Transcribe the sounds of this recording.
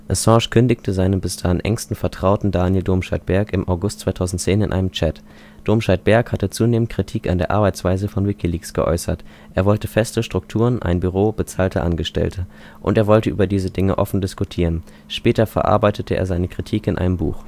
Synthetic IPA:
ʔɔsɑ̃ːʃkʰʏndɪçtʰəzaɪnənbɪsd̥aːʁɪnʔɛ̰ŋstn̩fɛɐtʁ̥aʊtn̩daːnjɪldoːmʃat̚b̥ɛɐkɪmʔaʊɡʊstt͡svaɪtʰaʊzn̩tt͡seːnɪ̰nʔa̰ɪnəmt͡ʃɛt | d̥oːmʃat̚b̥ɛɐkhatət͡suːneːmənt̚kʁ̥itʰiːka̰ndeːɐʔaɐbaɪt͡sv̥aɪzəfɔnwɪkiliːksɡ̥ə̰ʔɔ̰ʏsɐt | ʔeːɐvɔltəfɛstəʃtʁ̥ʊk̚tʰuːʁənʔa̰ɪnbyʁ̞oːbət͡saːltʰəʔa̰nɡəʃtɛ̰ltʰə | ʔʊ̰nteːɐvɔltəʔyːbɐdiːzədɪŋəʔɔfn̩dɪskutʰiːʁən | ʃpɛːtɐfɛɐʔa̰ɐbaɪtətəʔeːɐzaɪnəkʁ̥itʰiːkɪnʔa̰ɪnəmbṵːχ

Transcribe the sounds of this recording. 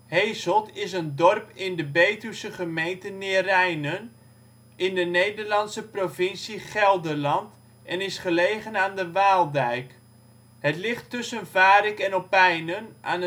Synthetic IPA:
hejsɔlˠtɪsəndɔrpɪndəbejtysəχəmejntənɪrɛjnən | ʔɪndənejdərlɑnsəprovɪnsiχɛlˠdərlɑnt | ʔɛnɪsχəlejχənaːndəʋaːlˠdɛjk | hətlɪχtːʏsənvaːɾɪkɛnɔpɛjnəna̰ːnə

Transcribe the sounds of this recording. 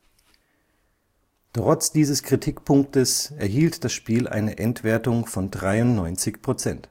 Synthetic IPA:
tʁ̥ɔt͡sd̥iːzəskʁ̥itʰikpʰʊŋktəsɛɐɦiːltd̥asʃpiːlʔa̰ɪnəʔɛntv̥eːɐtʊŋfɔndʁaɪʊnnɔʏnt͡sɪçpʁ̥ot͡sɛnt

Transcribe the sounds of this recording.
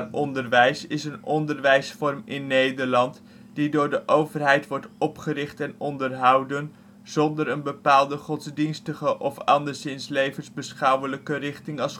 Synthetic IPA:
ɔndəɹʋɛjsɪsənɔndəɹʋɛjsfɔrmɪnːejdəɹlɑnt | d̥idʊːɹdəʔowvərɦɛjtʋɔɹtɔpχəɾɪχtɛnɔndərɦɑwdən | z̥ɔndəɾənbəpaːlˠdəχɔtzdinstəχəʔɔfɑndəɹzɪnslejvənzbəsχɑwələkərɪχtɪŋɑs

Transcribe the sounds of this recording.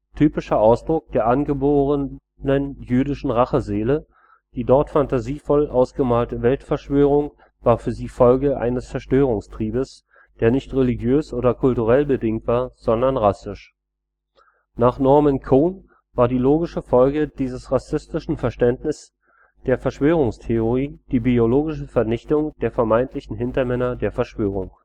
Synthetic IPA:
tʰyːpɪʃɐʔaʊsd̥ʁʊk̚d̥eːɐʔanɡəboːʁə | nənjyːdɪʃn̩ʁaχəzeːlə | d̥iːdɔɐtfantaziːfɔlʔaʊsɡ̥əmaːltəvɛltfɛɐʃv̥øːʁ̞ʊŋ | v̥aːɐfyːɐziːfɔlɡəʔa̰ɪnəst͡sɛɐʃtøːʁ̞ʊŋstʁ̥iːbəs | d̥eːɐnɪçtʁelɪɡjøːsʔoːdɐkʰʊltuʁɛlbədɪŋtv̥aːɐz̥ɔndɐnʁasɪʃ | naːχnɔɐmɛnkʰoːn | vaːɐdiːloːɡɪʃəfɔlɡəd̥iːzəsʁasɪstɪʃn̩fɛɐʃtɛntnɪs | d̥eːɐfɛɐʃv̥øːʁ̞ʊŋstʰeoʁiːd̥iːbioloːɡɪʃəfɛɐnɪçtʊŋd̥eːɐfɛɐmaɪntlɪçn̩ɦɪntɐmɛnɐdeːɐfɛɐʃv̥øːʁ̞ʊŋ

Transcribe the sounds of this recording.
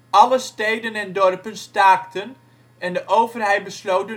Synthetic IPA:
ɑləstejdənɛndɔrpənstaːktʰən | ɛndəʔowvərɦɛjt̚bəslowtə

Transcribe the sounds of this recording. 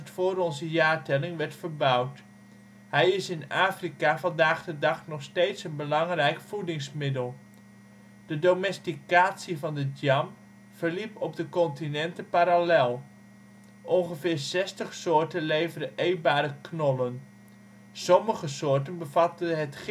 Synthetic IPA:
tfʊːɾɔnzəjaːɹtɛlɪŋʋɛɹtfəɹbʌwt | hɛjɪsɪnaːfrikavɑndaːχdədɑχnɔχstejtsənbəlɑŋrɛjkfudɪŋsmɪdəlˠ | d̥ədowmɛstikaːtsivɑndədd͡ʒɑm | v̥əɹlipɔb̚dəkɔntinɛntəpaɾalɛlˠ | ʔɔnχəvɪːɹsɛstəχsʊːɹtənlejvədəʔejbaːɾəknɔlən | sɔməχəsʊːɹtənbəvɑtəɦət

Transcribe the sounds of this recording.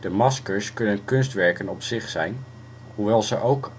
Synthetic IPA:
d̥əmɑskəɹskɵnənkɵnstʋɛɹkənɔpsɪχsɛjn | ɦuʋɛlˠzəʔowk

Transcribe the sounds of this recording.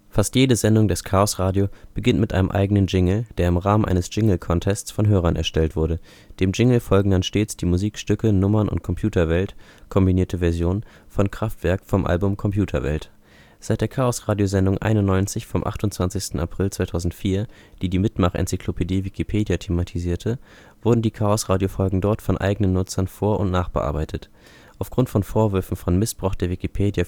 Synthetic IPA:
fastjeːdəzɛndʊŋdɛskʰaːɔsʁaːdjob̥əɡɪntmɪtʔa̰ɪnəmʔa̰ɪɡənənd͡ʒɪŋl̩d̥eːɐɪmʁaːmənʔa̰ɪnəsʒ̥ɪŋl̩kʰɔntʰɛst͡sfɔnɦøːʁɐnʔɛɐʃtɛltv̥ʊɐɾə | d̥eːmd͡ʒɪŋl̩fɔlɡŋ̩danʃteːt͡sd̥iːmuziːkʃtʏkənʊmɐnʊ̰nt̚kʰɔmpʰj̥uːtɐvɛlt | kʰɔmbiniːɐtʰəvɛɐzjoːn | fɔnkʁ̥aftv̥ɛɐkfɔmʔa̰lbʊmkʰɔmpjuːtʰɐ̰vɛ̰lt | z̥aɪt̚d̥eːɐkʰaːɔsʁaːdjozɛndʊŋʔa̰ɪnʊnːɔʏnt͡sɪçfɔmʔa̰χtʊntt͡sv̥ant͡sɪçstn̩a̰pʁ̥ɪlt͡sv̥aɪtʰaʊzn̩tfiːɐ | d̥iːdiːmɪtmaχʔɛ̰nt͡sikʰl̥opʰediːvikʰipʰeːdjatʰeːmatʰiziːɐtʰə | v̥ʊɐdn̩diːkʰaːɔsʁaːdjofɔlɡŋ̩dɔɐtfɔnʔa̰ɪɡənənːʊt͡sɐnfoːɐʔʊ̰ntnaːχb̥əʔa̰ɐbaɪtʰət | ʔaʊfɡ̥ʁʊntfɔnfoːɐvʏɐfn̩fɔnmɪsb̥ʁaʊxd̥eːɐvikipʰeːdja

